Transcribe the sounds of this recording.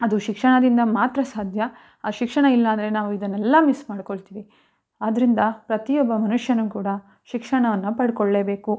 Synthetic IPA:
ɐd̪uʃikʂɐɳɐd̪ind̪ɐmaːt̪ɾɐsaːd̪ʱjɐ | aʃikʂɐɳɐilːɐːnd̪ɐɾe̞naːʋuid̪ɐnːɛlːɐmismaːɽko̞ɭt̪iːʋi | aːd̪ɾind̪ɐpɾɐt̪ijɔbːɐmɐnuʂjɐnukuːɽɐ | ʃikʂɐɳɐʋɐnːupɐɽkoɭːe̞ːbe̞ːku

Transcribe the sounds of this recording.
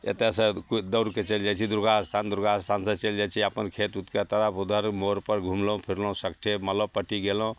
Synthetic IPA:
ḛt̪esə̃kd̪əʊɾket͡ʃeld͡ʒajt͡ʃʰid̪uɾɡaəst̪ʰand̪uɾɡast̪ʰansə̃t͡ʃeld͡ʒat͡ʃʰiəpənkʰet̪ut̪ket̪əɾapud̪ʱəɾmoɾpəɾɡʱumlõpʰiɾlõũsəkʈʰemələbpəʈiɡelõ

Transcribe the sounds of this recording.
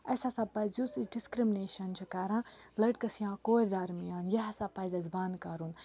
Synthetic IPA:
ɐsasapɐzusiɖiskɾimneːʃɐnt͡ʃʰukaɾãːlɐʈ̚kɐsjãːkoːɾʲd̪aɾmijaːnjɐɦɐsaːpɐzɐzband̪kɐɾun

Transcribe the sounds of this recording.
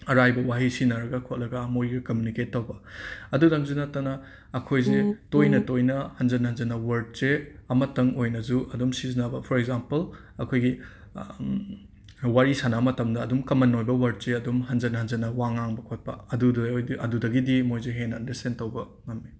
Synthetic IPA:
ɐɾajbɐwaɦisinɐɾɐɡɐkʰot̚lɐɡɐmojɡɐkɐmjuniketːɐwbɐɐdudɐŋzunɐtːɐnɐː | kʰojzetojnɐtojnɐhɐnzɐnhɐnzɐnɐwɐɾd̚seɐmɐtɐŋojnɐzuʔɐdumsizinabɐpʰɔɾeɡzampɐl | ɐkʰojɡi | waɾisanamɐtɐmdɐːdumkɐmɐnojbɐwɐɾd̚seɐdumɦɐnzɐnhɐnzɐnɐwaŋaŋbɐkʰot̚pɐ̰ɐdudjʔɐdudɐɡidimojzeɦenandisentɐwbɐ | ŋɐmːi

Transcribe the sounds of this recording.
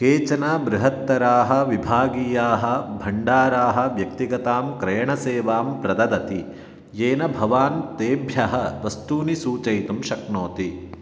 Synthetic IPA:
keːt͡ʃɐnaːbɾɪɦɐt̪ːɐɾaːɦɐ̆ʋibʱaːɡiːjaːɦɐ̆bʱɐɳɖaːɾaːɦɐ̆ʋjɐk̚t̪iɡɐt̪aːmkɾɐjɐɳɐseːʋaːmpɾɐd̪ɐd̪ɐt̪i | jeːnɐbʱɐʋaːnt̪eːbʱjɐɦɐ̆ʋɐst̪uːnisuːt͡ʃɐjt̪umʃɐknoːt̪i

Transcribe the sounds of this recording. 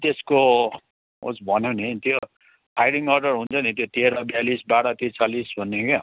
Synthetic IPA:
t̪esko | o̰sbʱʌnjonit̪jo | hajɽiŋʌrɖʌrɦunt͡sʰʌnit̪jot̪iɾʌbjalisbaɽʌt̪it͡salisbʱʌnːoke

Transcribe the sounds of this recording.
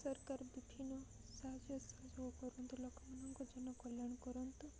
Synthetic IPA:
sɔɾkaɾbiʈʰinɔ | sad͡ʒjɔsɔɦd͡ʒɔɡɔkɔɾunt̪ulɔkʰmanɔŋkɔd͡ʒɔnɔkɔljaɳ̃kɔɾɔnt̪u

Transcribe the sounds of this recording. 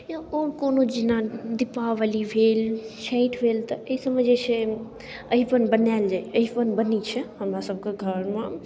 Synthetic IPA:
jaoːɾkonod͡ʒinãd̪ipaʋalibʱelʃẽɪ̃ʈʰbʱelt̪əeisəməd͡ʒesʰe | əɦipənbənaɪld͡ʒaeəɦipənbənit͡ʃʰɛhəmɾasəb̚keɡʱəɾmã

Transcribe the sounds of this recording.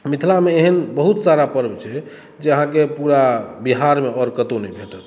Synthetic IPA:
mit̪ʰlameeɦənbəɦut̪saɾapəɾbt͡ʃʰɛ | d͡ʒeəɦãkepuɾabiɦaɾmeɔɾkət̪onəjbʱeʈət̪

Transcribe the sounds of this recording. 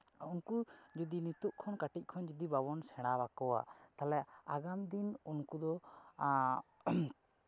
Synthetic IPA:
unkud͡ʒud̪init̪uʔkʰɔnkaʈic̚ˀkʰɔnd͡ʒud̪ibabɔnsɛɽ̃abakɔwa̰t̪alɛaɡamd̪inunkud̪ɔ

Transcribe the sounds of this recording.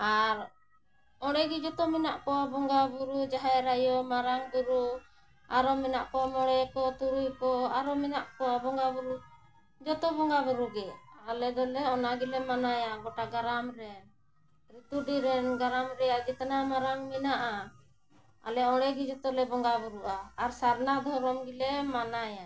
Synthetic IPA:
aɾ | ɔɽɛɡid͡ʒɔt̪ɔminaʔkɔwabɔŋɡabuɾud͡ʒaɦaɾajɔmaɾaŋbuɾu | aɾɔmɛnaʔkɔmɔɽɛkɔt̪uɾujkɔaɾɔmɛnaʔkɔabɔŋɡabuɾu | d͡ʒɔt̪ɔbɔŋɡabuɾuɡɛalɛd̪ɔlɛɔnaɡilɛmanajaɡɔʈaɡaɾamɾɛn | ɾit̪uɖiɾɛnɡaɾamɾɛjad͡ʒɛt̪anamaɾaŋminaʔa | a̰lɛɔɽ̃ɛɡid͡ʒɔt̪ɔlɛbɔŋɡabuɾuʔaːɾsaɾnad̪ʱɔɾɔmɡilɛmanaja

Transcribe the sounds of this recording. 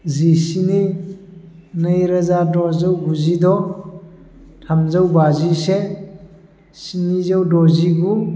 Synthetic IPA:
zisini | nəjɾazadɔzəwɡuzidɔ | tʰamzawbazise | sinizawdɔziɡu

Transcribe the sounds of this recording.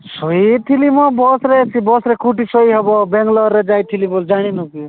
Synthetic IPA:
sɔit̪ʰilimɔbɔsɾet͡ʃʰibɔsɾekʰuʈisɔiɦebɔbeŋɡlɔɾːed͡ʒajt̪ʰilibɔld͡ʒaɽ̃inuki

